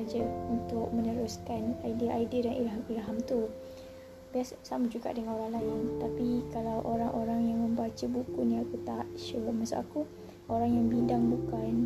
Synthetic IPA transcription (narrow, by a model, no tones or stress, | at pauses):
ad͡ʒaunt̪ʊk̚mə̃nəɾuskanajdiəʔajdiədanʔilɦamiɾɦamt̪u | biassamad͡ʒuɡa̰ʔdəŋanoɾaŋlajənt̪apikalawʔoɾaŋʔoɾaŋjaŋmə̃mbat͡ʃəbukuniakut̪at̪̚ʃəmasa̰ʔa̰ku | oɾaŋjaŋbidaŋbukan